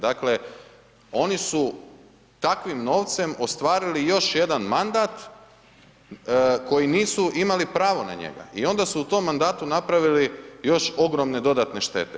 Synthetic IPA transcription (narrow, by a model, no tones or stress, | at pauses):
d̪akle̞ | o̞nisu | t̪akʋimno̞ːʋt̪se̞mo̞st̪ʋaːɾilijo̞ʃje̞d̪anmand̪aːt̪ | ko̞jiniːsuʔimalipɾaːʋo̞na̰ɲḛɡa̰ʔio̞nd̪asuut̪o̞mːand̪aːt̪unapɾaʋilijo̞ʃo̞ɡɾo̞mne̞d̪o̞d̪at̪neʃt̪e̞̰t̪e